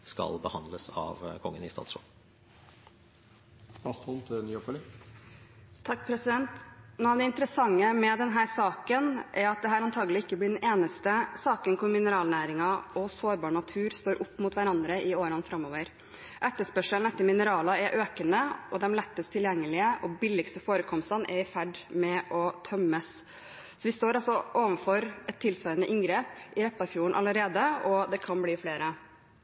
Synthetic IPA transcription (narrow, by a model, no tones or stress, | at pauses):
skɑ̰lbəhɑnd̪ləsɑ̰ʋkʰɔŋːənɪst̪ɑ̰ːt̪sɾo̰ːl | ɑst̪ɔlt̪nyːɔpəli | t̪ʰɑkːpʰɾɛsɪd̪ɛnt̪nuːɑʋd̪ɛɪnt̪əɾəsɑŋːəmɛd̪ɛnɦæːɾsɑːkənʔæɾɑt̪̚d̪ɛɦæːɾɑnt̪ʰɑːɡəlɪɪkːəblɪɖɛneːnəst̪əsɑːkənkʰʊɾmɪnəɾɑːlnæːɾɪŋɑɔsoːɾbɑːɳɑt̪ʰʉːɾst̪oːɾʔʊpːmʊːt̪ʋæɾɑnd̪ɾəʔɪoːɾɑnfɾɑmːoːʋəɾ | ʔæt̪ːəspœʂəlnɛt̪ːəmɪnəɾɑːlɑɛɾʔøːkənəɔd̪ɛmlɛt̪ːəst̪ʰɪljɛŋːəlɪəʔɔbɪlːɪkst̪əfoːɾəkʰɔmst̪ɑnʔɛɾɪfæɖmɛʔɔt̪ʰœmːəs | sɔʋɪst̪oːɾɑlsɔʔoːʋənfɔɾɛt̪ʰːɪlsœɪənəʔɪŋɡɾeːpɪɾɛp̪ːɑfjuːəɳʔɑ̰ləɾeːd̪əɔd̪ɛkʰɑnbliːfleːɾə